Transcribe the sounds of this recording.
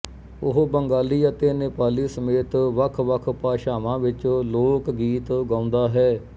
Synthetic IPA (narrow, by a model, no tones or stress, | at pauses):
ʊɦbəŋɡaːliːət̪eːneːpaːliːsəmeːt̪ʋəkʰʋəkʰpaːʃaːʋãːʋɪt͡ʃloːkɡiːt̪ɡãːʊ̃nd̪aːɦɛː